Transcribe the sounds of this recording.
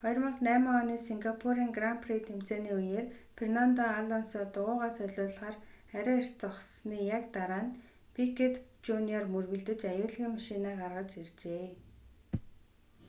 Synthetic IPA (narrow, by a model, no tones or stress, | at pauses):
χɔjɞrmɞ̆ɮnæːməŋɔniːsiŋɡapʰuɾiːŋɡrampʰret̪em̥t͡seːniːujeːrpʰrenant̪ɔaɮɔnsɔːt̪ʊʁʊːʁaːsœɮʊːɮʁaːrχæɾʲaːer̥t͡sɔχsniːjakt̪aɾaːn | pikʰet̪t͡ɕuniɔrmɵrɣɵ̆ɮt̪ɘ̆t͡ɕajʊːɮɣiːŋmaʃinaːɢarʁə̆t͡ɕert͡ɕeː